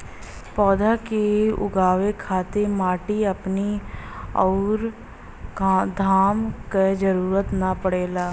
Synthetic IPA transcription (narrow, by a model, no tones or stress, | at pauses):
pɔːd̪akeʊ̰ɡaːʋekʰaːt̪emaːʈiɐpni | ɔʊɾ | d̪ʱaːmked͡ʒəɾuːɾət̪napəɽeːlaː